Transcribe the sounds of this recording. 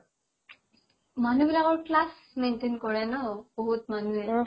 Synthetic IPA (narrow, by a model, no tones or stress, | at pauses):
manubilakɔɹklas | mentenkɔɹɛnɔb̥oɦut̚manuɛ